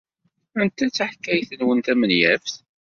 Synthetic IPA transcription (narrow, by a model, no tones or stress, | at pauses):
ænt̪æt͡sːəħkːæjθənwənt̪æmənjæfθ